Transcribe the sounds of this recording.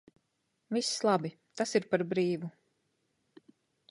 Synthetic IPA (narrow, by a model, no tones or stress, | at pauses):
vislˠabi | t̪asiɾpaɾbɾiːvu